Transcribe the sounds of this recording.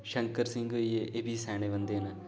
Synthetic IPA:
ʃɐŋkɐɾsiŋɡɯjeʔebisaːɳeʋɐnd̪eːnɐ

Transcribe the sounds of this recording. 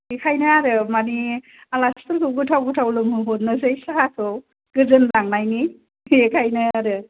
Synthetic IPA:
ekʰajnaaɾɯmani | alaspʰɯɾkʰɯw̚ɡɯtʰawɡutʰawlɯmɯɦot̚nɯzɯjsaɦakʰɯw | ɡ̥ɯzɯnlaŋnajni | ekʰajnɯaɾɯ

